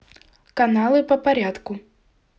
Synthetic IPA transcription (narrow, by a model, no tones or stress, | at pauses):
kanalˠɨpɐpaɾʲat̪ku